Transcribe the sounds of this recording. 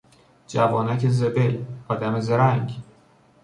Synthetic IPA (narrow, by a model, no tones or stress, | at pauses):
d͡ʒævɒːnækʰezebejɒːd̪æmezeɾæŋɟ